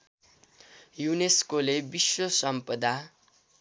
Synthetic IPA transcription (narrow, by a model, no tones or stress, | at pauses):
juneskolebiswʌsʌmpʌd̪a